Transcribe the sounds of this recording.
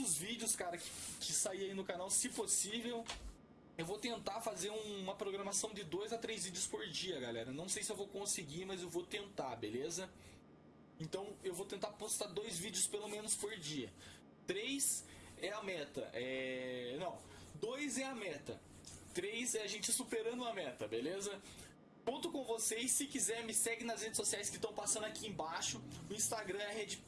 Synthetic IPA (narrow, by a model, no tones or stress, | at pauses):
ʊzvid͡ʒɪʊskaɾɐkɪ̥kɪsaiɐinʊkanawsɪposivew | ewvot̪ẽnt̪afazeɾũũmɐpɾoɡɾɐmasɐ̃w̃d͡ʒ̪ɪd̪ojzat̪ɾejzvid͡ʒɪʊspoɾd͡ʒiɐɡalɛɾɐnɐ̃w̃sejsɪewvowkõsɪɡimɐzewvot̪ẽnt̪abelezɐ | ẽnt̪ɐ̃w̃ewvot̪ẽnt̪apost̪ad̪ojzvid͡ʒɪʊspelomẽnʊspoɾd͡ʒiɐ̰ | t̪ɾejs | ɛɐmɛt̪ɐ̰ʔɛnɐ̃w̃d̪ojzɛɐmɛt̪ɐ̰ | t̪ɾejzɛaʒẽnt͡ʃɪsupeɾɐ̃nd̪ʊũɐmɛt̪ɐbelezɐ | kõnt̪ʊkõvosejsːɪkizɛɾmɪsɛɡɪnɐshed͡ʒɪsosiajskɪst̪ɐ̃w̃pasɐ̃nd̪ʊakiẽbaʃʊʊĩst̪aɡɾɐ̃ɐɦed͡ʒɪ